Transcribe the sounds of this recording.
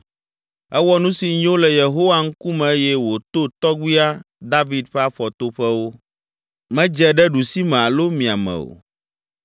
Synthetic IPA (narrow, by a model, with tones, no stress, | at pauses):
ɛ˦wɔ˦nũ˦si˨ɲ˦õ˦lɛ˨je˨ɦo˦wa˦ŋ̩˦ku˦mɛ̃˨e˦jɛ˦wo˨t̪o˦t̪ɔ˦ɡʷi˦a˦ | d̪a˦vi˨d̪ɸɛ˦a˦ɸɔ˨t̪o˦ɸɛ˦wo˦ | mɛ̃˦d͡ʒɛ˦ɖɛ˦ɖu˨si˦mɛ̃˨a˨lo˦mĩ˨a˨mɛ̰̃˨o̰˨